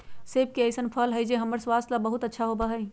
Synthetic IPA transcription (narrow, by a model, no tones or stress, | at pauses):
seːb̚kiɐjsənpʰɐːlɦɐid͡ʒeɦɐməɾswaːslabɐɦʊt̪ɐtːʃʰaɦoːbaɦɐi